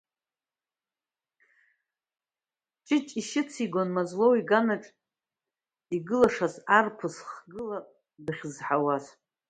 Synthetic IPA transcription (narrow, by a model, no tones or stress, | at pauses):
t͡ʃʼɪt͡ʃʼiʃɪt͡sʰiɡʷonmazlowiɡanaʈ͡ʂʼ | iɡɨlaʂazarpʰɨsχɡɨla | dɨχʲzħawaz